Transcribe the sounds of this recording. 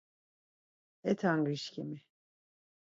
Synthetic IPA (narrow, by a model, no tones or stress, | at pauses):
ɛt̪ʰaŋɡiʃkʰimi